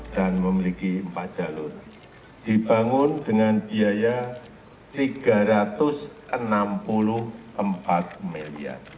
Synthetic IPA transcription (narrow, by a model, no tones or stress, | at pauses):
d̥anməmilikimpḁʒ̥alʊr | d̥ib̥aŋʊndəŋanb̥iaja | t̪iɡ̥a̤ɾat̪ʊsʔənampulʊhʔəmpat̪̚milia̰n